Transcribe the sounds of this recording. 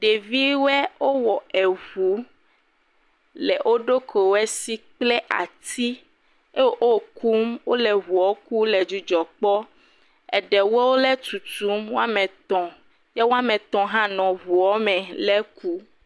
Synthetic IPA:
ɖe˨vi˦wɛ˦wo˦wɔ˨ɛ˨βu˨˦ | lɛ˨ʔo˦ɖo˦kʰo˨wɛ˦si˦k͡plɛ˦ʔa̰˨t̪ʰi˦ | e˦wo˦ʔo˦˨ku˦mwo˦lɛ˨βu˨ɔ˦ku˦lɛ˨d͡ʒu˦d͡ʒɔ˨k͡pɔ˦ | ɛ̰˨ɖɛ˨wo˦wo˦lɛ˦t̪u˨t̪u˨˦mwo˦a˦mɛ̃˨t̪ɔ̃˨ | jɛ˦wo˦a˦mɛ̃˨t̪ɔ̃˨ɦã˦nɔ̃˨βu˨ɔ˦mɛ̃˨lɛ˦ku˦

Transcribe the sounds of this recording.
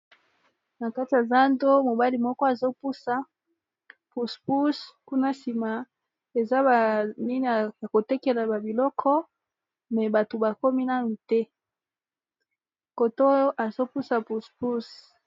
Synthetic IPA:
na˨ka˦ti˨ja˨za˦ndo˦mo˨ba˦li˨mɔ˦kɔ˦a˨zo˦pu˦sa˨ | pu˨spu˦sku˦na˦si˨ma˨ | e˨za˦ba˨ni˦ni˨a˨ja˨ko˨tɛ˦ke˨la˨ba˨bi˨lɔ˦kʰɔ˦ | mɛ˨ba˨to˨ba˨ko˦mi˦na˦nu˨tɛ˦ | ko˨to˦ʔa˨zo˦pu˦sa˨pu˨spu˦s

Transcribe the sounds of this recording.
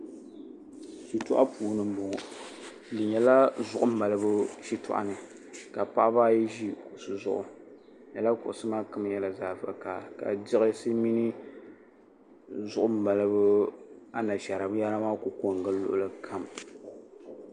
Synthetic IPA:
ʃi˨tʊ˦ʔa˦puː˨nɨ˨m̩˦bʊ˨ŋʊ˨ | dɨ˨ɲɛ˨la˦zʊ˨ʔʊ˦m̩˦ba˨lɨ˦bɨ˦ʃi˦tʊ̰˨ʔa̰˨nɨ˨ | ka˨pa˦ʔa˦ba˦ji˦ʒi˦ku˨sɨ˨zʊ̰˦ʔʊ̰˨ | ɲɛ˨la˦kʊ˨ʔʊ˨sɨ˦maː˦kɨ˦m˦jɛ˨la˨zaː˨vɨ˨ʔka̰˨ka̰˨dɪ˦ɣɪ˦sɨ˦mi˦nɨ˦ | zʊ˦ʔʊ˦m̩˦ba˨lɨ˦bɨ˦a˦na˨ʃɛ˨ɾa˨bɨ˦ja˦ɾa˦maː˦ku˨ko˨ŋ˨ɡɨ˦lʊ̰˦ʔʊ˦lɨ˦kʰa˦m

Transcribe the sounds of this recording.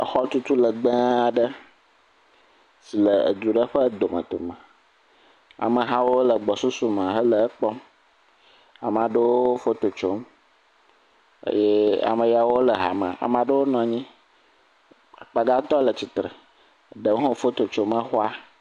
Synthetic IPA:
ə˨xɔ˦t̪u˦t̪u˦lə˨ɡ͡bə̃˦a˨ɖə˦ | si˨lə˨ə̰˨d̪ɾu˨ɖə˦ɸə˦d̪o˨mə̰̃˨t̪o̰˨mə̃˨ | a̰˨mə̃˨ɦã˦wo˦lə˨ɡ͡bɔ˨su˦su˦mã˨ɦə˦lə˨˦k͡pɔ˦m | a̰˨m˨ã˨ɖə˦wo˦o˦fo˦t̪o˨t͡ʃo˨˦m | ə̰˦jɛ˦a̰˨mə̃˨ja˨wo˦lə˨ɦa̰˨mə̰̃˨a̰˨mã˨ɖə˦wo˦nɔ̃˨ɲĩ˦ | a˨k͡pa˨ɡa˦t̪ɔ˦lə˨t͡ɕi˨t̪ɾə̰˨ | ɖə˨wɦõ˦fo˦t̪o˨t͡ʃo˦mə̃˦xo˦a˦

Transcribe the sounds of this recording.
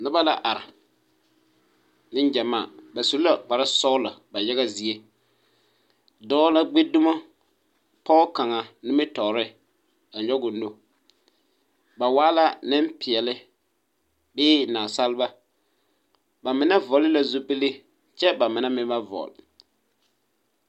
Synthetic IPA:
nʊ˦ba˦la̰˨ʔa˨ɾɪ˨ | nɪ˦nd͡ʒɛ˨maː˦˨ba˨su˨lla˨k͡pa˨ɾa˦sɔ˦la˨ba˨ja˦ɣa˦zi˨e˦ | dɔː˦la˦ɡ͡be˦du˦ma˦ | pɔ˦ka˨ŋa˨nɪ˦mɪ˦tɔ˨ɾɪ˦ | a˨ɲɔ˦ɡʊ˨ndo˦ | ba˨waː˦la˦nɪ˦mpɪ˨ɛ˨lɪ˦ | bɪː˦naː˨sa˦lba˦ | ba˨mɪ˨˦na˦vɔ˨lɪ˦la˨zu˦pe˦li˦ | t͡ʃɛ˦ba˨mɪ˨na˦mɪ˦a˦vɔ̰˨l

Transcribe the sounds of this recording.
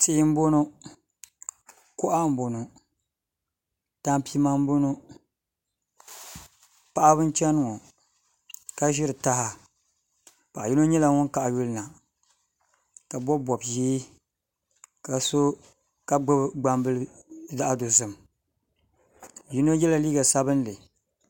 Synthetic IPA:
ti˦m̩˦bo˦no˦ | kʊ˦ʔa˦m̩˦bo˨no˨ | ta˦mpi˦ma˦m˦bo˦no˦ | pa˦ʔa˦βɨ˦n˦t͡ʃɛ˦nɨ˦ŋo˨ | ka˦ʒɪ˦ɾɨ˨ta˦ɦa˨ | pa˨ʔa˨ji˦no˦ɲɛ˦la˨ŋʊ˦nka˨ʔa˨ju˦lɨ˦na˨ | ka˨bɔ˦bɔ˨bjiː˦ | ka˨so˦ | ka˦ɡ͡bɨ˦bɡ͡ba˦mbɨ˦lɨ˦ | za˦ʔa˦do˨zɨ˨m | ji˦no˦jɛ˦la˨liː˦ɡa˨sa˦bɨ˦n˦lɨ˨

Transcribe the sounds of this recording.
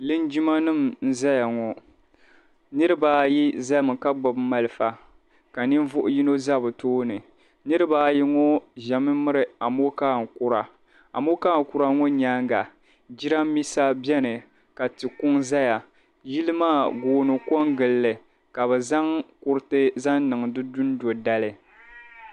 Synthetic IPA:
lɨ˦nd͡ʒi˦ma˦nɨ˦˨mn̩˦za˦ja˨ŋɔ˨ | nɨ˦ɾɨ˦baː˦ji˦za˦lmɨ˨ka˦ɡ͡bɔ˨bma˦lɨ˦˨fa˨ | ka˨nɨ˦ɱ˦vʊ˦ʔʊ˨ji˦no˦za˦bɨ˨toː˦nɨ˨ | nɨ˦ɾɨ˦baː˦ji˦ŋɔ˦ʒa˨mɨ˦mɨ˦ɾɨ˨a˨mo˦kaː˦˨ŋ̩˨ku˦ɾa˨ | a̰˨mo˦ka˦˨ŋ̩˨ku˦ɾa˦ŋo˦ɲa˦ŋɡa˨ | d͡ʒi˦ɾa˦m˦mi˦sa˦bɛ˦nɨ˨ | ka˨tɨ˨kʊ˦ŋza˦ja˨ | ji˦lɨ˦maː˦˨ɡoː˦nɨ˨kɔ˦ŋɡɨ˨lːɨ˨ | ka˨βɛ˨za˦ŋkʊ˦ɾɨ˦tɨ˦za˦nnɨ˨ŋ˨dɨ˦du˦n˦do˨da˦lɨ˨

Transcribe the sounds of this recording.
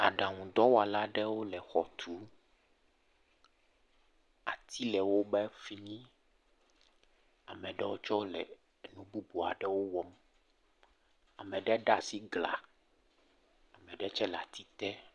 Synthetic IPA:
a˨ɖa˨ŋũ˨d̪ɔ˦wa˨la˦ɖɛ˦wo˦lɛ˨xɔ˨t̪ʰu˨˦ | a̰˨t̪ʰi˦lɛ˨wo˦bɛ˦fi˦mĩ˦ | a˨mɛ̃˨ɖɛ˦wo˦t͡ʃɔ˦lɛ̰˨ | nũ˦bu˦bu˨a̰˨ɖɛ˦wo˦wɔ˦m | a˨mɛ̃˨ɖɛ˦ɖa˦˨si˦ɡla̰˨ | a˨mɛ̃˨ɖɛ˦t͡ʃɛ˦la̰˨t̪i˦t̪ɛ˦

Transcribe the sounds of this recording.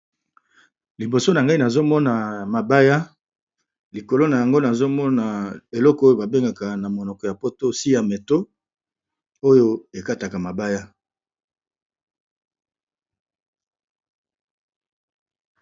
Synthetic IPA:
li˨bo˨so˦na˨ŋɡa˦i˦na˨zo˦mɔ˦na˨ma˨ba˦ja˦ | li˨ko˨lo˦na˨ja˨ŋɡo˦na˨zo˦mɔ˦na˨e˨lɔ˦kɔ˦o˦jo˦ba˨be˦ŋɡa˨ka˨na˨mo˨nɔ˨kɔ˨ja˨po˦to˦si˦ja˨me˨to˦ | o˦jo˦e˨ka˦ta˨ka˨ma˨ba˦ja˦

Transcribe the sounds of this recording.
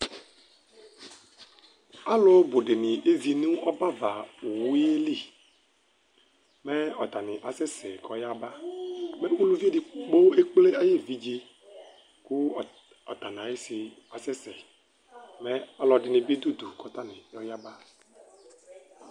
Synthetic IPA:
a˦lo˦bo˨ɖe˨nĩ˨ʔe˦zi˨nũ˦ɔ˦ba˦va˨o˨wi˦e˦li˦˨ | me˦ɔ˨t̪a˨nĩ˨ʔa˨sɛ˦sɛ˨kɔ˨ja˦ba˦mẽ˦wu˦lu˦vi˦e˦di˨k͡po˦e˦k͡ple˦a˦je˦vi˦d͡ʒi˦ | ku˦˨ | ɔ˨t̪a˨nã˨e˦si˨ | a˨sɛ˦sɛ˨ | mẽ˦a˦lɔ˨ɖi˨nĩ˨bi˦d̪u˦d̪u˨kɔ˨t̪a˦nĩ˨jɔ˦ja˦ba˦

